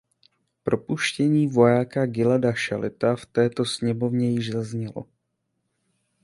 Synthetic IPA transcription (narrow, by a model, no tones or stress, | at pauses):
pɾʔo̞puʃcɛɲiːvo̞jaːkaɡɪladaʃalɪt̪aft̪ɛːt̪o̞sɲɛmo̞vɲɛjɪʒzazɲɛlo̞̰